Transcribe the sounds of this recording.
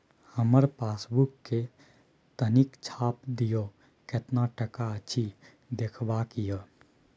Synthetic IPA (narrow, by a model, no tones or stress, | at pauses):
həməɾpasbukːe | t̪ənikt͡ʃʰap̚d̪ijo | ket̪naʈəkaət͡ʃʰi | d̪ekʰbakijə